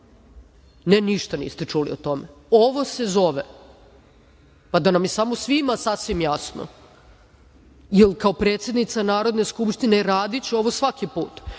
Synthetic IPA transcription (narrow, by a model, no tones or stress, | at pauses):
neniʃt̪anḭːst̪et͡ʂuliot̪o̞meo̞ʋo̞se̞zo̞ʋe | pad̪anamjesamo̞sʋimasasʋimjasno̰ | jelkao̞pɾeːt̪sje̞d̪nit̪sanaːɾod̪ne̞skupʃt̪ineɾaːd̪it͡ɕeo̞ʋo̞sʋakipuːt̪